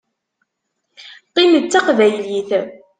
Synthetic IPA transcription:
qinət͡sːɑqvæjliθ

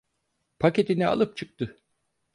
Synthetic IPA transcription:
pʰace̞t̪inɛa̰lˠɯp̚t͡ʃʰɯk̚t̪ɯ

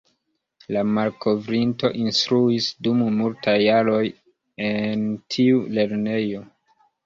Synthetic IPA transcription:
lamalkʰo̞vɾinto̞ʔinstɾuisdummultʰajːaɾo̞j | entʰiule̞ɾne̞jo̞

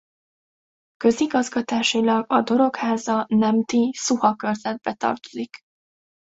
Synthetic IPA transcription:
kø̞ziɡɒzɡɒt̪aːʃilɒɡɒd̪o̞ɾo̞khaːzɒnɛmt̪isuhɒkø̞rzɛd̪̚bɛt̪ɒ̰rt̪o̞̥zik

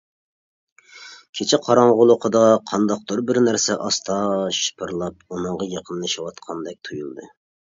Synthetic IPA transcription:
kʲʰet͡ʃʰɪqʰɑɾɑɴʁʊlˠʊqʰəd̪ɑqʰɑnd̪ɑq̚d̪uɾbɪɾnæɾsɛʔɑst̪ʰɑʃɨ̥pʰɨɾlˠɑp̚unɨɴʁɑjɑqʰənlˠɨʃɑwɑt̪qʰɑnd̪ɛk̚ʲt̪ʰujulˠd̪ɨ̰

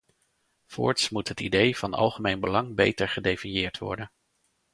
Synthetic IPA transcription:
fʊ̰ːɹtsmutɦətidejv̥ɑnɑ̰lˠχəmejnbəlɑŋbejtəɹχədejfinjɪːɹtʋɔ̰ɹdən

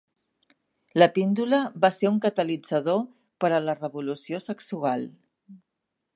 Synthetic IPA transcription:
ləpind̪uləβaseuŋkət̪əlid͡zəð̞o | pəɾələrəβulusiosəksualˠ

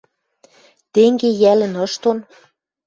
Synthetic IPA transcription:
t̪eŋɡejælɘ̆nɤ̆ʃt̪on

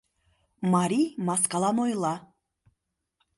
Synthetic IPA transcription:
maɾimaskalˠanɔjlˠa

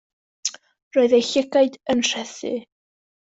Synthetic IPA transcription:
roːɨðejɬɪɡaɨdənr̥ɛθɨ̰

